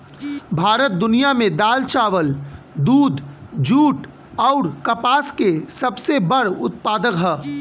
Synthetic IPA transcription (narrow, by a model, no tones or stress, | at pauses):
bʱaːɾət̪̚d̪ʊnijamẽd̪aːlt͡ʃaːʋəld̪uːd̪ʱd͡ʒuːʈ | ɔʊɾkɐpaːskesɐbsebəɽʊt̪̚paːd̪əkɦɛː